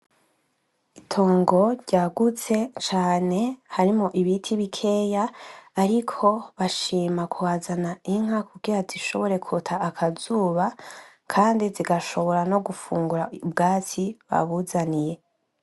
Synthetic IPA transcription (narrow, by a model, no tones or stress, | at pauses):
itʰo̞ːŋɡo̞ɾɟaːɡut͡se̞t͡ʃaːne̞haɾimoʔiβitʰiβikʰe̞ːjaːɾikʰo̞βaʃiːmakuwaːzanaiŋ̥ɦakubɡiɾaziʃo̞βo̞ɾe̞kʰutʰaːkʰazuːβa | kʰaːndiziɡaʃo̞βo̞ɾano̞ɡufuːŋɡuɾaub̚ɡaːt͡siβa̰βuzanije̞